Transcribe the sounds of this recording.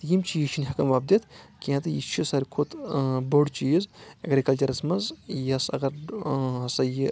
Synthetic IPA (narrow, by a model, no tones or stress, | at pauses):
t̪ɨjimt͡ʃʰijiʃʰinʲɦɐkɐmʋaːb̚d̪it̪ʰkiɐ̃t̪ɨjit͡ʃʰisɐɾʲkʰot̪boɖt͡ʃiːzɐɡɾikɐlt͡ʃɐɾɐsmɐzjɐsɐ̰ɡɐɾɦɐsɐji